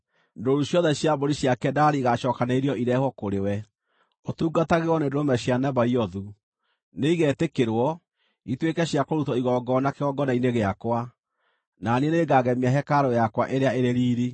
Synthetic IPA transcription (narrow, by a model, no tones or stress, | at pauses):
ndoɾuɕjɔðɛɕjaboɾiɕjakɛdaɾiɣaʃɔːkanaiɾiɔiɾɛhɔkoɾewɛ | otuːɡataɣeɔnendoɾomɛɕjanaβaiɔðu | neiɣɛtekeɾwɔ | itwekɛɕjakoɾutɔiɣɔɡɔnakeɣɔɡɔnaineɣeakwa | naneneːɡaɣɛmiaɦɛkaɾɔjakwaʔeɾeaeɾeɾiːɾi